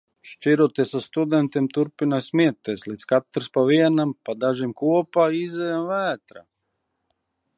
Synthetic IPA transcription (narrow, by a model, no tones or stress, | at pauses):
ʃt͡ʃiɾot̪ɛsast̪ud̪ɛnt̪imt̪uɾpinasmit̪ːɛslit̪skat̪ːɾspaʋiɛnampad̪aʒimkuɔpaizɛjamʋɛːt̪ɾa̰